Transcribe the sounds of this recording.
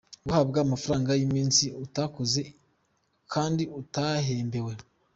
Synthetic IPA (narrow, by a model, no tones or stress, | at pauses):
ɡuhabɡamafaɾaːŋɡajimiːnsiutakoze | kʰaːndiutaɦeːmbe̞we̞